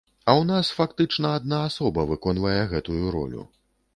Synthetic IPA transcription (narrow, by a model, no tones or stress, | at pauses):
ɐwnasfakt̪ɨt͡ʂnɐad̪̚naːsɔbɐvɨkɔnvɐjɛɣɛt̪ujuɾɔ̰lʲṵ